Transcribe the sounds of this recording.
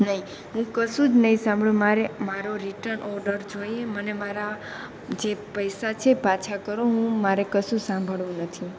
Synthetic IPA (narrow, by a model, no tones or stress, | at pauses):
nəɦĩ | ɦũkəʃũd͡ʒnəɦĩsãmbʱɭũmaɾemaɾoɾiʈənʔɔɾɖəɾd͡ʒoiemənemaɾa | d͡ʒepəjsat͡ʃʰepat͡ʃʰakəɾõɦũmaɾekəsũsãmbʱəɭʋũnət̪ʰi